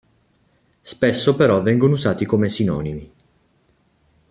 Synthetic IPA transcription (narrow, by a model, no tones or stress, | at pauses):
spesːopeɾɔvɛŋɡonouzaːt̪ikomesinɔ̰ːnimi